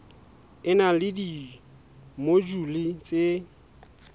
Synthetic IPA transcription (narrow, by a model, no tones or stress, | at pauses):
ɪnalɪdi | mod͡ʒulɪt͡sʼe